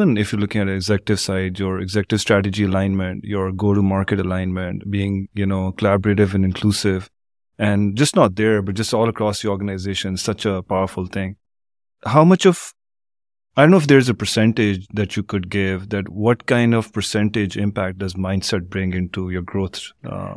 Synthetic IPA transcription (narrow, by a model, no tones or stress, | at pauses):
ə̃nɪfjəːlʊkɪ̃ŋæɾiːɡzɛkʈɪvsaɪɖjəɾɪɡzɛkʈɨv̥sʈɾæʈɨd͡ʒiəlãɪ̃nmə̃ɳʈjɔɹɡoːɾumaːɹkəʈəlãɪ̃nmə̃ɳʈbiːɪ̃ŋjunoːkəlæbɾeʈɪvɛ̃nɖɪ̃nkʰlusɪv | ɛ̃nd͡ʒʌstnɔt̚d̪əɹbʌʈ̚d͡ʒʌstɔːlˠəkɾɔːsd̪iɔːɾɡənaɪzeːʃə̃nsʌt͡ʃəpaʊəɾfʊlˠt̪ʰɪ̃ŋ | haʊmʌt͡ʃɔf | aɪdõnoʊɪfd̪eɾɪzəpə˞sɛ̃ɳʈɪd͡ʒd̪æt͡ʃjukʊɖ̚ɡɪvd̪æʈwɔʈkãɪ̃nɖɔv̥pə˞sɛ̃ɳʈɪd͡ʒɪ̃mpæk̚ʈ̚ɖʌzmãɪ̃nɖsɛʈ̚bɾɪ̃ŋɡɪ̃nʈujəɾɡɾoːt̪ʰ